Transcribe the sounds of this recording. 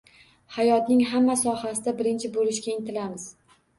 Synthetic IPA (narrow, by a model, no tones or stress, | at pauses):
hajɒt̪nɪŋɦamːasɒhasɪd̪abɪɾɪnt͡ʃʰɪbolɪʃkʲaɪnt̪ʰɪlamɪz̥